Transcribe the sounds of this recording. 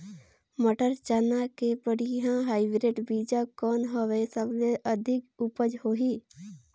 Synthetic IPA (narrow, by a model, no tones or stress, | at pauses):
məʈəɾt͡ʃanakebəɽiɦãɦaːɪbiɾeʈbiːd͡ʒakɔːnɦəʋesəbleʔəd̪ʱɪkʊpəd͡ʒɦoːɦiː